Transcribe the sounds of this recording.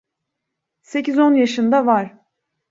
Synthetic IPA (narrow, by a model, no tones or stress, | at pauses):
se̞cizo̞njaʃɯnd̪avaɾ̥